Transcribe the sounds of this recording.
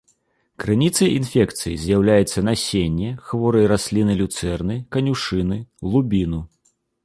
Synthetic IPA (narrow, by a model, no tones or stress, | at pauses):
kɾɨnʲit̪sɐjinfʲɛkt̪sɨjizʲjawlʲajɛt̪sːɐnasʲenʲːɛxvɔɾɐjɾasʲlʲinɨlʲut̪sɛrnɨkɐnʲuʂɨnɨlˠubʲinu